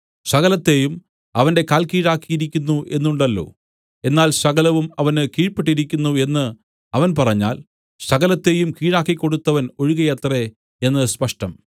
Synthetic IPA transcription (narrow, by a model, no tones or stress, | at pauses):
sɐɣɐlɐt̪ːe̞jum | ɐʋɐnde̞kaːlkiːɻaːkːijiɾikʲːunːuʔe̞nːuɳɖɐlːo̞̰ː | e̞nːaːlsɐɣɐlɐʋumɐʋɐnɨkiːɻpieʈ̬ːiɾikʲːunːue̞nːɨ | ɐʋɐnpɐrɐɲːaːl | sɐɣɐlɐt̪ːe̞ːjumkiːɻaːkːikʲːo̞ɽut̪ːɐʋɐno̞ɻuɣɐjɐt̪re̞ | e̞nːɐspɐʂʈɐm